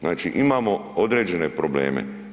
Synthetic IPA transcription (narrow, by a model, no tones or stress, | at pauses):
znaːt͡ʃiʔimaːmo̞od̪ɾe̞ːd͡ʑe̞ne̞pɾoblḛːmḛ